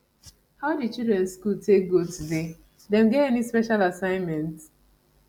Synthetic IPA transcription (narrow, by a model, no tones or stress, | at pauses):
haʊdit͡ʃildɹɛ̃nskultek̚ɡotude | dɛ̃mɡɛtɛnispɛʃalasãɪ̃nmɛ̃nt